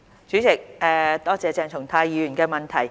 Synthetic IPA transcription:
t͡syː˨˥t͡sɪ˨k̚ʔɛː˨t̪ɔː˥t͡sɛː˨˧t͡sɛː˨˧ŋtʰʊ˨˩ŋt̪ʰaː˧jiː˨˧ɥyː˨˩nkɛː˧mɐ˨nt̪ʰɐ˨˩j

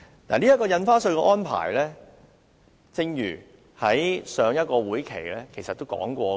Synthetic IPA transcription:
na̰ː˨˩liː˥jɐ˥tkːɔː˧jɐ˧nfaː˥sɵ˧ɥkɛ˧ʔɔː˥npʰa̰ː˨˩jlɛː˥ | t͡sɪ˧ŋjyː˨˩ | hɐ˨˥jsœː˨˧ŋjɐ˥t̚kɔː˧wuː˨˥jkʰe˨˩jlɛː˦˥kʰe˨˩jsɐ˨t̪ːo˥wkɔ̰ː˨˥ŋkʷɔː˧

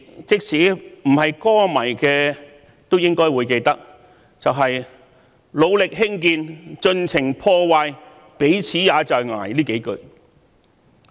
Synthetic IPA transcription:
t͡sɪ˥k̚sʰiː˨˥m̩˨˩hɐ˨jkɔː˥mɐ˨˩jkɛː˧ | t̪o˥wjɪ˥ŋkɔː˥jwuː˨˧jke˧jt̪ɐ˥k̚ | t͡sɐ˨wɦɐ˨j | lo˨˧wlɪ˨k̚hɪ˥ŋkiː˧nt͡ʃɵ˧nt͡sʰɪ˨˩ŋpʰɔː˧waː˧j | pe˨˥jt͡sʰiː˨˥jaː˨˧˥t͡ʃɔː˨jŋa̰ː˨˩jliː˥ke˨˥jkɵ˧ɥ

